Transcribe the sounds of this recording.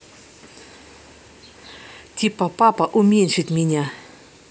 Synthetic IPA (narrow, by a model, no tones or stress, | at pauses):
t̪ʲipɐpapɐʔʊmʲenʲʂɨt̪ʲmʲɪnʲa